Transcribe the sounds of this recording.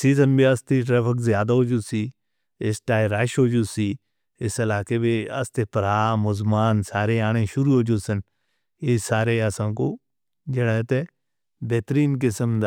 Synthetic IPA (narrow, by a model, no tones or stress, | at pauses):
siːzənbiɐst̪iʈɾəfʰəkzjaːd̪aɦod͡ʒuːsiː | ɪsʈaːiɾaːʃɦoːd͡ʒuːsiː | ɪsəlaːkebeɐ̰st̪eːpəɾaːmʊzmaːnsaːɾeaːɽ̃eʃʊɾuːɦoːd͡ʒoːsən | esaːɾeːasãːkoː | d͡ʒeɽat̪e | bɛːt̪ɾiːnkɪsəmd̪